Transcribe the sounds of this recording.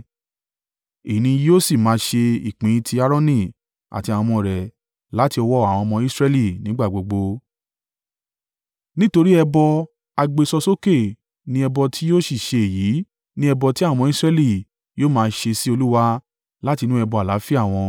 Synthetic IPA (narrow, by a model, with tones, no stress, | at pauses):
i˨nĩ˧˦o˦si˦˨mãː˨˧ʃe˧ḭ˨k͡pĩ˨˦tʰi˧a˦˧ɾɔ̃˦nĩ˦˨ | a̰˨ti˧ã˨ɔ̃˧mɔ̃˧ɾɛ˨ | la˨˦ti˧ɔ˧wɔ˦a˨w̃ɔ̃˧mɔ̃˧i˦sɾɛ˧˦li˦˨nĩ˨˦ɡ͡ba˦˨ɡ͡bo˧ɡ͡bo˧ | nĩ˦to˧ɾi˦ɛ˧bɔ˧ | a˧ɡ͡be˧sɔ˧so˦ke˦˨ | nĩ˧ɛ˧bɔ˧tʰi˦o˦si˦˨ʃe˧e˨ji˨˦ | nĩ˦ɛ˧bɔ˧ti˦a˦˨ɔ̃˧mɔ̃˧i˦sɾɛ˧li˦˨ | joː˦˨mãː˧ʃe˧si˦o˧lu˦wa˧ | la˦ti˧nũ˦ɛ˧bɔ˧a˨la˨˦fi˦a˦˨w̃ɔ̃˧